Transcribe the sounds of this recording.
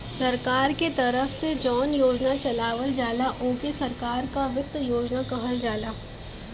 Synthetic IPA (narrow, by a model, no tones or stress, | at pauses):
sɐɾkaːɾket̪ɐɾəfsed͡ʒɔːnjoːd͡ʒnat͡ʃɐlaːʋəld͡ʒaːlaʔõːkesɐɾkaːɾkaʋɪt̪ːjoːd͡ʒnakɐɦəld͡ʒaːlaː